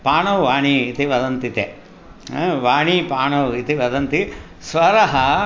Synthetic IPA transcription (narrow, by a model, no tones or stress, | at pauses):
paːɳɐwʋaːɳiːt̪iʋɐd̪ɐnt̪it̪e | ʋaːɳipaːɳɐwit̪iʋɐd̪ɐnt̪i | sʋɐɾɐɦɐ